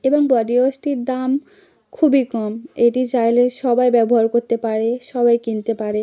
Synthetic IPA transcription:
eboŋbɔɖiosʈiɾd̪am | kʰubikɔmeʈid͡ʑajleʃɔbajbɛboɦaɾkoɾt̪epaɾeʃɔbajkint̪epaɾe

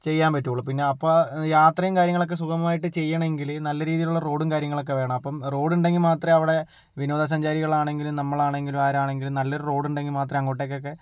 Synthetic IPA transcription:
t͡ɕe̞jːaːmpɐtːuuɭɐpinːe̞ɐpːoːjaːt̪rɐjumkaːɾjɐŋːɐɭo̞k̬ːe̞s̬ukʰɐmɐmaːjiʈːɨt͡ɕe̞jːɐɳɐeŋɡilnɐlːɐɾiːðijiluɭːɐro̞ːɽumkaːɾjɐŋːɐɭo̞k̬ːe̞ʋe̞ːɳɐmɐpːɐmro̞ːɽuɳɖe̞ŋːɡilmaːt̪rɐmɐʋiɽe̞ | ʋinoːd̪ɐs̬ɐɲd͡ʑaːɾiɣɐɭaːɳe̞ŋɡilumnɐmːɐɭaːɳe̞ŋɡilumaːɾaːɳe̞ŋɡilumnɐlːɐoɾuro̞ːɽuɳɖe̞ŋɡilmaːt̪̬rɐmɐŋːoːʈːekːok̬ːe̞

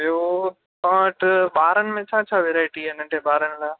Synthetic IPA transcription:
jo | kɐʈɓaːɾənɪ̆mẽt͡ɕʰaːt͡ɕʰaʋeːɾaːɪʈiɐnə̃ʈʰeɓaːɾənɪlaː

